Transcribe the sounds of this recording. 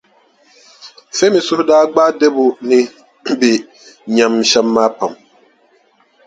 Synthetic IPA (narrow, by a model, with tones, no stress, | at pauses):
fe˦mɪ˨sʊ˦hʊ˦daː˦ɡ͡baː˦dɛ˦bʊ˨nɪ˦ | bɪ˨ | ɲa˨mʃɛ˦mːaː˦pa˨m